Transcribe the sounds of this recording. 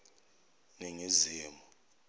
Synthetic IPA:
neŋiziːmɔ

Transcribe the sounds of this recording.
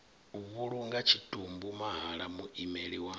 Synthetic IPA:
uβuluŋɡacituːmbumahalamuʔimeliwa

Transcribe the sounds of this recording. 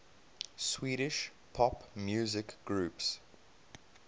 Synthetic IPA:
swiːɾɪʃ | pʰɔpmjuːzɪkɡ̥ɹuːps

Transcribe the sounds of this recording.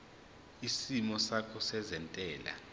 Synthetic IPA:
isimɔsakʰɔsɛzɛntʼɛːla̰

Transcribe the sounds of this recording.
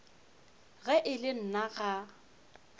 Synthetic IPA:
ɣɛʔɪlɪn̩naɣa

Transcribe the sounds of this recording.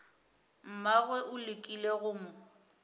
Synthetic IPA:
m̩maɣwɛʔʊlɪkʼileɣʊmʊ

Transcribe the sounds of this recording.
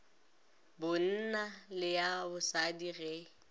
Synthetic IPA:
bʊn̩nalɪjabʊsadirɛ

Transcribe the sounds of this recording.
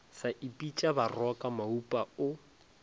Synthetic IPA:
saʔipʼit͡ʃʼabarwakʼamaupʼaʊ

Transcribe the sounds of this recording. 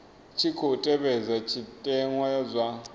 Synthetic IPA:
t͡ʃʰikʰotʼɛβɛzat͡ʃʰitʼɛŋwajazʷa

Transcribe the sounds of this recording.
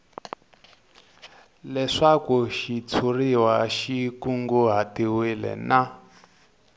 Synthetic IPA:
lɛʂakuʃit͡sʰuriwaʃikuŋɡuɦatiwilɛ̰na

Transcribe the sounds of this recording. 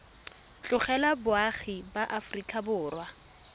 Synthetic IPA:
t͡ɬʼʊχɛlabʊaχibaʔafrikʼabʊːrwa

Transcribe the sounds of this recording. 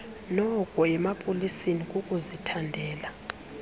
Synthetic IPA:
nɔkʼɔɛmapʼolisinikʼukʼuzitʰandʱɛːla

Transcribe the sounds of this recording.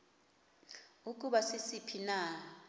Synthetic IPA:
uk̬ʼuɓasisipʰina

